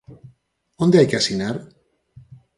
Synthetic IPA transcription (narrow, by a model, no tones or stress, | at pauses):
ond̪eajkeasinaɾ